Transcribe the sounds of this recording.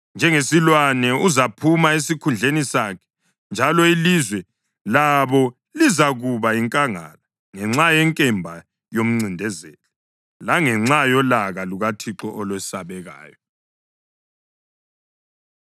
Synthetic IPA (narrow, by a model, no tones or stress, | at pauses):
nd͡ʒʱɛŋesilwanɛuzapʰumaesikʰund͡ɮʱenisakʰɛ̥ | nd͡ʒʱalɔilizwɛ | laβɔ | lizaɣuβaiŋkʼaŋa̰la | ŋɛŋ͡ǁajɛŋkʼɛmbʱa | jom̩ŋ͡ǀindʱɛzɛlɛ | laŋɛŋ͡ǁajɔlaɣaluɣatʰiǁɔʔɔlwɛsaβɛɣa̰ːjɔ